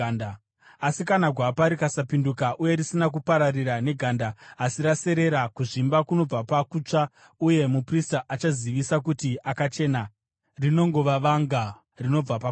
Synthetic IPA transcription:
asikanaɡʱwapaɾikasapindukaʔuje̞ɾisinak̬upaɾariɾane̞ɡʱandaːsiɾase̞ɾe̞ɾakuʐimbakuno̞b͡vapakut͡ʂa | uje̞mupristaʔat͡ʃaziʋisak̬utiʔakat͡ʃe̞na | rino̞ŋɡo̞ʋaʋaŋɡa | rino̞b͡vapa

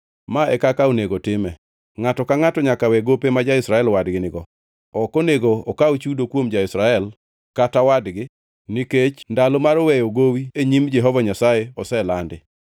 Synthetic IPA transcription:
maɛ̰kakaoneɡotɪmɛ | ŋatɔkaŋatɔɲakawɛɡopemad͡ʒaɪsɾaɛlwadɡɪnɪɡɔ | ɔkoneɡoɔkaot͡ʃudokwomd͡ʒaɪsɾaɛl | katawadɡɪ | niket͡ʃndalomaɾɔwɛjoɡowieɲimd͡ʒɛɦɔvaɲasajeɔsɛlandɪ

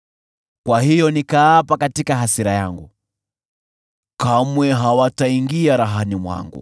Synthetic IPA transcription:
kwahijɔnikaːpakatikaɦasiɾaja̰ŋɡu | kamwɛɦawataiŋɡiaɾaɦanimwa̰ŋɡṵ

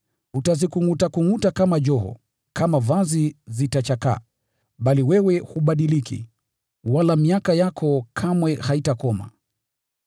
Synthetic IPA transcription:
utazikuŋutakuŋutakamaʄɔɦɔ̰ | kamavazizitat͡ʃaka̰ː | ɓaliwɛwɛhuɓaɗilikḭ | walamiakajakʰɔkʰamwɛhaitakɔma̰

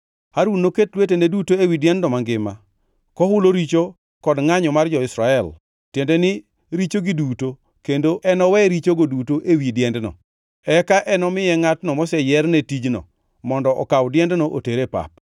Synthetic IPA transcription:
haɾwunoketlwetenedutoewidjɛnddɔmaŋɡɪma | kɔhʊloɾit͡ʃo | kɔdŋaɲɔmard͡ʒɔɪsɾaɛl | tjendenɪ | ɾit͡ʃoɡiduto | kendoʔɛnɔwɛɾit͡ʃoɡodutoʔewidjɛndnɔ̰ | ɛkaʔɛnɔmɪjɛŋatnɔmɔsɛjɛrnetid͡ʒnɔ̰ | mɔndɔʔɔ̰kawdjɛndnoʔo̰teɾepa̰p̚

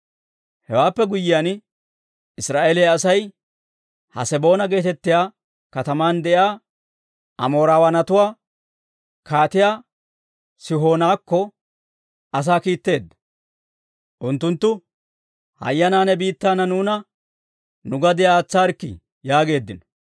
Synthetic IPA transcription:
hɛwaːpːɛɡʊjːɪjaːn | ɪsɾaːʔeːleɐsɐj | hɐ̰sɛbo̞ːnɐɡe̞ːt̪ɛt̪ːɪjaː | kɐt̪ɐmaːnd̪ɛʔjaː | ʔɐmo̞ːɾaːwɐnɐt̪ʊwaː | kaːt̪ɪjaː | sɪɦo̞ːnaːkːɔ | ɐs̬aːkiːt̪ːe̞ːd̪ːɐ̥ | ʔʊnt̪ːʊnt̪ːʊ | hɐ̰jːɐnaːnɛbiːt̪ːaːnɐnuːnɐ | nʊɡɐd̪ɪjaːt͡sːaːɾkːɪ̰ | jaːɡe̞ːd̪ːɪnɔ̥

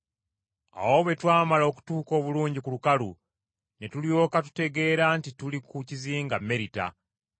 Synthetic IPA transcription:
a̰wo̞βwe̞twaːmalo̞ku̥tuːko̞ːβuluːɲɟikulukalu | ne̞tuljo̞ːkatu̥te̞ɡe̞ːɾantitulikuciziːŋɡamːe̞ɾita̰

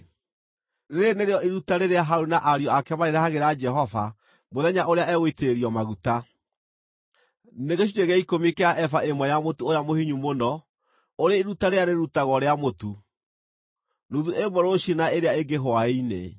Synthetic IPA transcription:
ɾeneɾeɔʔiɾutaɾeɾeaɦaɾunaʔaɾiɔakɛmaɾeɾahaɣeɾad͡ʒɛɦɔva | moðɛɲaʔoɾeaɛɣweteɾeɾiɔmaɣuta | neɣeɕ̬iɲeɣɛikomikeaʔɛfaʔemwɛjamotuojamohiɲumonɔ | oɾeiɾutaɾeaɾeɾutaɣɔɾeamotu | nuðuʔemoɾoɕinaeɾeaeŋɡeɦoaeinḛ

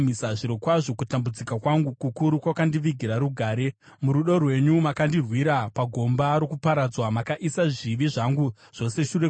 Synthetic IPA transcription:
misaʐiɾokwaʐo̞kutambud͡zikakwaŋɡukukuɾukwakandiʋiɡʱiɾaɾuɡʱaːɾe̞ | muɾuɗo̞rwe̞ɲumakandirwiɾapaɡʱo̞mbaɾokupaɾad͡zwamakaʔisaʐiʋiʐaŋɡu | ʐ̥o̞se̞ʃure

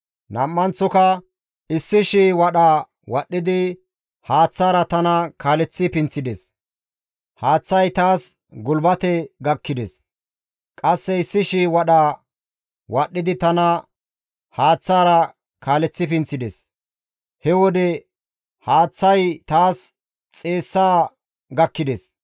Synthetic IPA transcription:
nɐmːɐnt͡sːɔkɐ | ɪsːɪʃiːwɐɗaː | wɐɗːɪd̪ɪ | haːt͡sːaːɾɐt̪ɐnɐkaːlɛt͡sːɪpɪnt͡sːɪd̪ɛs | haːt͡sːɐjt̪aːs | ɡʊlbɐt̪ɛɡɐkːɪd̪ɛs | kʼɐsːɛɪsːɪʃiwɐɗaː | wɐɗːɪd̪ɪt̪ɐnɐ | haːt͡sːaːɾɐ | kaːlɛt͡sːɪpɪnt͡sːɪd̪ɛs | hɛwɔd̪ɛ | haːt͡sːɐjt̪aːs | t͡sʼe̞ːsːaː | ɡɐkːɪd̪ɛs

